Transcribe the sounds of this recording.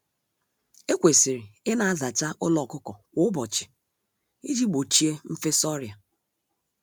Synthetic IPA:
e˦kʷe˨si˨ɾi˨ɪ˦na˨a˦za˨t͡ʃa˦ʔʊ˦lɔ˨kʊ˦kɔ˨wʷʊ˨˦ʊ˦bɔ˨t͡ʃɪ̥˨ | i˦d͡ʒi˦ɡ͡bo˨t͡ʃi˦e˦m̩˦fe˦sɔ˦ɾja˨

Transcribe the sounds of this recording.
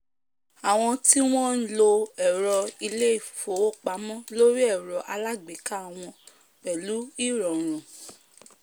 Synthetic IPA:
a˨w̃ɔ̃˧ti˦w̃ɔ̃˦n̩˦lo˧ɛ˨ɾɔ˧i˧le˦i˦˨fo˨˦o˦˨k͡pa˨˦mɔ̃˦lo˦ɾi˦ɛ˦˨ɾɔ˧ʔa˧la˦ɡ͡be˨˦ka˦˨w̃ɔ̃˧ | k͡pɛ˨lu˨˦i˦˨ɾɔ̃˨ɾ̃ũ˨

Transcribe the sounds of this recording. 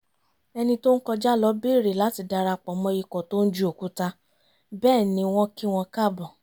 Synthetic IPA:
ɛ˧nĩ˧to˦n̩˦kɔ˧d͡ʒa˦lɔ˨˦bi˦˨ɾe˨la˨˦ti˧˨da˧ɾa˧k͡pɔ˨mɔ̃˧˦i˧kɔ˨to˦n̩˦d͡ʒu˦o˨ku˦ta˧ | bɛː˦˨nĩ˧˦w̃ɔ̃˦ki˦w̃ɔ̃˧ka˦˨bɔ˨

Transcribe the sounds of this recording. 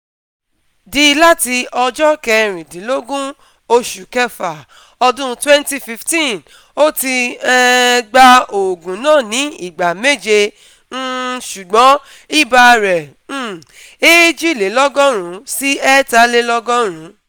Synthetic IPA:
di˧˦la˦ti˧ɔ˧d͡ʒɔ˦kɛ˧ɾ̃ĩ˨dĩ˨˦lo˦ɡũ˦ | o˧ʃu˨kɛ˧fa˨ | ɔ˧dũ˦˧twɛ˦nti˧fi˧ftĩ˦˨ | o˦ti˧ɛ˧ɡ͡ba˧o˨ɡũ˨˦nãː˦˨nĩ˨˦i˦˨ɡ͡ba˨me˦˨d͡ʒe˧ | n̩˦ʃu˨ɡ͡bɔ̃˨˦ | i˦˨ba˧ɾɛ̃˨˦˨ | e˦d͡ʒi˦˨le˨˦lɔ˦ɡɔ̃˦ɾ̃ũ˨˦si˦ɛ˦ta˧˦le˦lɔ˦ɡɔ̃˦ɾ̃ũ˨˦

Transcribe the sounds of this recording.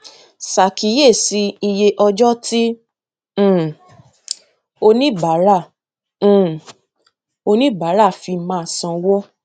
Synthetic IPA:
sa˨ki˨˦je˦˨si˨˧˦i˧je˧ʔɔ˧d͡ʒɔ˦tĩ˦˨ | o˧nĩ˦ba˨˦ɾã˦˨ | o˧nĩ˦ba˨˦ɾa˦˨fi˧mãː˦˨sã˧wɔ˦

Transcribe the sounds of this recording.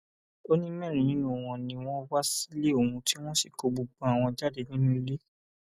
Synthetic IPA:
o˦nĩ˦mɛ̃˦˨ɾ̃ĩ˨nĩ˦nũ˨w̃ɔ̃˧nĩ˧w̃ɔ̃˦wa˦si˦le˦o˦˨ũ˧ti˦w̃ɔ̃˦si˨ko˧ɡ͡bo˧˨ɡ͡bɔ̃˨a˨w̃ɔ̃˧d͡ʒa˦de˧nĩ˦ĩ˦le˦

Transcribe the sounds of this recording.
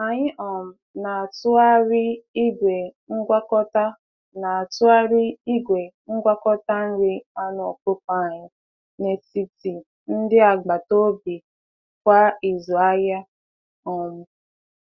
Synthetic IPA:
a˨ɲɪ˦ʔɔ˨m̩˨na˨a˨tʊ˦a˦ɾɪ˦i˦ɡʷe˨ŋ̩˦ɡʷa˦kɔ˦ta˦ | na˨a˨tʊ˦a˦ɾɪ˦i˦ɡʷe˨ŋ̩˦ɡʷa˦kɔ˦ta˦n̩˦ɾɪ˦a˦n˨o˨po˦pa˦˨ɲɪ˦ | ne˨si˨ti˨ | n̩˦dɪ˦a˨ɡ͡ba˨to˦bi˨ | kʷa˦i˨zɔ˨a˦ja˦ | ɔ˨m̩˦˨

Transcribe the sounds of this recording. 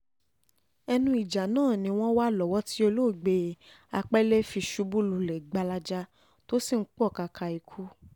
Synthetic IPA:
ɛ˧nũ˧˦i˨d͡ʒa˨nãː˦˨nĩ˧w̃ɔ̃˦wa˦lɔ˨wɔ˦ti˦o˧lo˦˨ɡ͡be˧ | a˧k͡pɛ˦le˦fi˧ʃu˧bu˦lu˨lɛ˨ɡ͡ba˧la˧d͡ʒa˦ | to˦si˦˨ŋ̩˦k͡pɔ˦˨ka˧kʰa˧i˨kʰu˨˦

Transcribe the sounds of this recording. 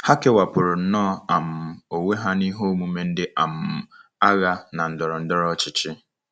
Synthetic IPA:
ha˦ke˦wa˨pʊ˨ɾʊ˨n̩˦nɔː˦a˨m̩˨o˨we˦ɦa˦ni˦ɦo˦mu˦me˦n̩˦dɪ˦ʔa˨m̩˨a˦ɣa˦na˨n̩˨dɔ˨ɾɔ˨n̩˦dɔ˦ɾɔ˦t͡ʃɪ˦t͡ʃɪ˦

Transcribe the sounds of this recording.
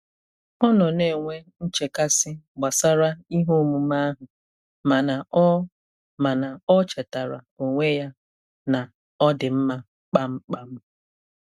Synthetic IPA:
ɔ˦nɔ˨ne˨ŋʷe˦n̩˦t͡ʃe˨ka˦sɪ˦ɡ͡ba˨sa˦ɾa˦i˦ɦo˦mu˨ma˦a˦ɦʊ˨ | ma˨na˨˦ | ma˨na˨ɔ˦t͡ʃe˨ta˨ɾa̰˨o˨ŋʷe˦ja˦ | na˨ | ɔ˦dɪ˨m̩˦ma˦ | k͡pa˦ŋ͡m̩˦k͡pa˦m̩˦

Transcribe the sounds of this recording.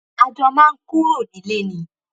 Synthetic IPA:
a˧dɔ˧mãː˦˧n̩˦ku˦o˦˨nĩ˨˦le˦˨nĩ˨˦

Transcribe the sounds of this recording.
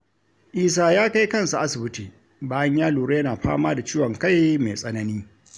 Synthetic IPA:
ʔiː˦s̬aː˦jaː˦ka˦jkɐ˦˨nsa˨ʔa˦sɪ˨bɪ˦tiː˨ | baː˦jɐ˦ɲjaː˦luː˨ɽe˦jɐ˦naː˨ɸa̰ː˦maː˦da˨t͡ʃiː˦wɔ˨ŋka˦˨jme˨sʼɐ˦nɐ˦niː˦

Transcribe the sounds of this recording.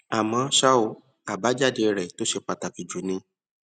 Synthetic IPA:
a˨mã˧ʃa˦o˨˧˦ | a˨ba˨˦d͡ʒa˦˨de˧ɾɛ˨to˦ʃe˧k͡pa˧ta˨ki˨d͡ʒu˨˦nĩ˧

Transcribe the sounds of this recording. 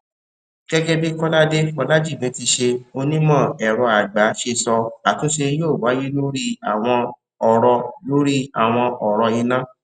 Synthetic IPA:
ɡ̥ɛ˦ɡɛ˦bi˦kɔ˦la˦de˦fɔ˧la˦d͡ʒi˦˨mĩ˨˦ti˧ʃe˧o˧nĩ˦mɔ̃˦˨ɛ˨ɾɔ˧a˨ɡ͡ba˨˦ʃe˧sɔ˧a˨tũ˦ʃe˧˦jo˦˨wa˨˦ji˦lo˦ɾi˦a˨w̃ɔ̃˧ | ɔ˨ɾɔ˧lo˦ɾi˦a˨w̃ɔ̃˧ʔɔ˨ɾɔ˧i˧nã˦

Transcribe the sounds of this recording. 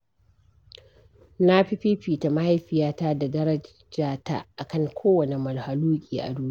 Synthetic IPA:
na˦ɸi˦ɸi˦ɸiː˨ta˨ma˦ha˦jɸɪ˨jaː˦taː˦da˨dɐ˦ɾɐ˦ | d͡ʒaː˨ta̰˦ʔa˨kɐ˦ŋkʷʰoː˦wɐ˨ne˨mɐ˨lha˨luː˦kʲʼḭː˨ʔa̰˨duː˦

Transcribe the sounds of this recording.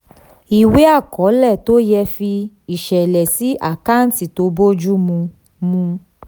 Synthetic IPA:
i˨we˦a˦˨kɔ˨˦lɛ˦˨to˦jɛ˧fi˧ | i˨ʃɛ˨lɛ˨si˨˦ʔa˦˨ka˦n̩˦ti˨to˧˦bo˦d͡ʒu˦mũ˧ | mũ˧

